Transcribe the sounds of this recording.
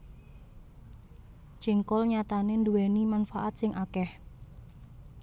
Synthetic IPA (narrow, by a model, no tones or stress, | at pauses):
t͡ʃiŋkɔlɲat̪anenduwenimanfaʔat̪̚sɪŋʔakɛh